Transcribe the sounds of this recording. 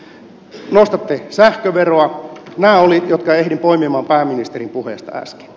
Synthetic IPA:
nost̪ɑt̪ːesæhkøʋeroɑnæːolijot̪kɑehdimpoimimɑːmpæːmːinist̪erimpuhḛˑst̪ɑ̰æ̰ske̥

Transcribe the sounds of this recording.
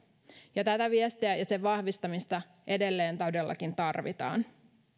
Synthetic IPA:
jɑt̪æt̪æʋiest̪iæjɑseʋɑhʋist̪ɑmist̪ɑ | ʔe̞de̞lːe̞ːnt̪ɑwdelːɑ̰kint̪ɑrʋḭt̪ɑ̰ːn

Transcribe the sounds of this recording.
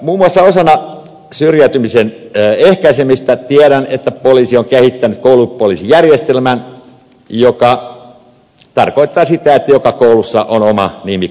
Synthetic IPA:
muːmːuɑsːɑosɑnɑ | syrjæyt̪ymisenːehkæisemist̪æt̪iæɾænet̪ːæpoliːsioŋkehit̪ːænyt̪koulupolisijærjest̪elmæn | jokɑ | t̪ɑrkoit̪ːɑːsit̪æet̪ːæjokɑkoulusːɑʔonomɑ̰nimi

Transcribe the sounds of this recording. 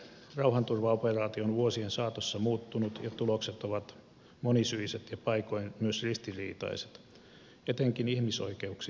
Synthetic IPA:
rɑuhɑnt̪urʋɑoperɑːt̪ioonʋuosiensɑːt̪osːɑmuːt̪ːunut̪jɑt̪ulokset̪oʋɑt̪ | monisyiset̪jɑpɑikojnmyøsrist̪irḭːt̪ɑ̰ise̥t̪ | et̪eŋkinihmiso̰ikeuksi

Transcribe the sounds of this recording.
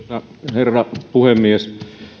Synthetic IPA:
ɑ | herːɑpuhemːies

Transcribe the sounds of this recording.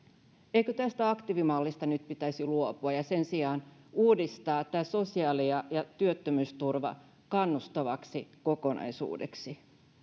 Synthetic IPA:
eikøt̪æst̪æɑkt̪iʋimɑlːist̪ɑnyt̪̚pit̪æsiluopuɑjɑse̞nsiɑːnuːdist̪ɑːt̪æːso̞siɑːliɑjɑt̪yøt̪ːømyːst̪urʋɑ̰ | kɑnːust̪oʋɑksiko̞ko̞nɑ̰jsṵːdḛksi

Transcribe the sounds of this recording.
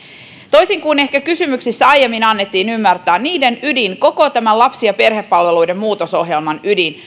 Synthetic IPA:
t̪o̞jsiŋkuːne̞hkækysymyksisːæɑjemːinɑnːet̪ːiːnymːært̪æːnniːde̞nydiŋko̞ko̞t̪æmænlɑpsiɑpe̞rhe̞pːɑlʋe̞lujde̞mmuːt̪oso̞ɦje̞lmɑnydin

